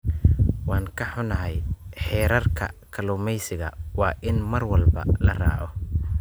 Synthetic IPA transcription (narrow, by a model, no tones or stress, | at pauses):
wɑːŋkʰɐħʊnɐɦɛjħɛːɾɐrkʰɐ̰kʰɐlʊːmɛjsɪɣɐ̰wɑːʔɪnmɐrwɐlbɐ̰lɐra̰ːʕɔ